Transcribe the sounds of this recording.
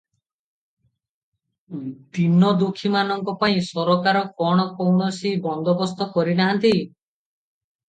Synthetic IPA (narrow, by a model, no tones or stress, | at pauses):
d̪inɔd̪ukʰimanɔŋkɔpaĩsɔɾɔkaɾɔkɔɽ̃ɔkɔwɳɔsibɔnd̪ɔbɔst̪ɔkɔɾinaɦant̪i